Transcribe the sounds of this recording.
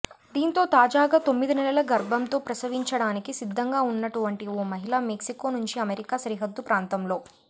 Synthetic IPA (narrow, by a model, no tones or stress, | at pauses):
d̪iːnt̪o̞ːt̪aːd͡ʒaːɡaːt̪o̞mːid̪inɛlɐlɐɡɐɾbʱɐmt̪o̞ːpɾɐsɐʋiɲt͡ʃɐɽaːnikisid̪ʱːɐŋɡaːunːɐʈuʋɐɳʈioːmɐɦilaːmeksiko̞ːnuɲt͡ʃiɐmeɾikaːʃɾiɦɐd̪ːupɾaːnt̪ɐmlo̞ː